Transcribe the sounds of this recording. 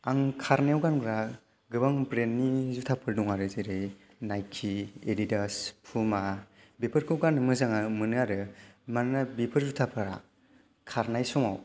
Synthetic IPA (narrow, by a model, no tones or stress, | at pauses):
aŋkʰaɾnewɡanɡɾa | ɡɯbaŋpɾenːizutʰapʰɯɾduŋaɾɯzeɾɯj | najkʰieditaspʰuma | bepʰɯɾkʰɯwɡanɯmɯzaŋamɯnɯaɾɯmannabipʰɯɾzutʰapʰɯɾa̰ | kʰaɾnajsɔmaw